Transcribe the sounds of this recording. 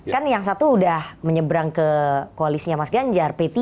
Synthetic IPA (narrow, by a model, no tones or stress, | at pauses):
kanjaŋs̬at̪uːdahməɲəbɾaŋkəkoalisiɲamasɡaɲd͡ʒarpet̪i